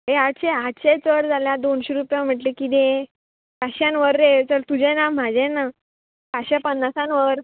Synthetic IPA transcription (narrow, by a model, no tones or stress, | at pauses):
ɦeaɕeɦaɕet͡səɽd͡zʱaljãd̪onɕeɾupjam̤əʈlekid̪e | kaɕãnʋəɾːet͡səɾt̪ud͡ʑɛnam̤ad͡ʑɛ̃na | kaɕapənːasãnʋəɾ